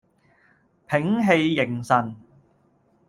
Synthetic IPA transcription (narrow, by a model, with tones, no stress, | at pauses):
pʰɪ˨˥ŋɦe˧jːɪ˨˩ŋsɐ˨n